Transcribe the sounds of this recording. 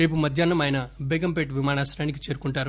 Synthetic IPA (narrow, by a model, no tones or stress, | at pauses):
ɾe̞ːp̬umɐd̪ʱjɐnːɐmɐjnɐbeːkɐmpeʈʋimaːɳaːsɾaːnik̬i̥t͡ʃe̞ːɾukuɳʈaːɾu